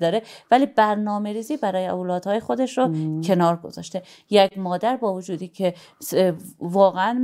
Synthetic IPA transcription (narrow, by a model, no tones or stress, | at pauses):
d̪ɒːɾevæliːbæɾnɒːme̞ɾiːziːbæɾɒːjeolɒːd̪̥hɒːjexod̪e̞ʃɾocʰe̞nɒːɾɡo̞̰zɒ̰ːʃt̪e̞jekmɒːd̪æɾbɒːvod͡ʒuːd̪iːcʰe | svɒːɣeæn